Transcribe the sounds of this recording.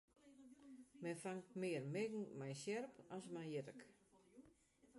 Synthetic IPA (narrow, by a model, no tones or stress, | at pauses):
mɛnfaŋtmɪːərmɪɡŋ̩mɛjsjɛrpɔsmɛjjɪtək